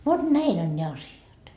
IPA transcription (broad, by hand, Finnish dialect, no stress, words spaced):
ʋot næin on ne ɑsjɑt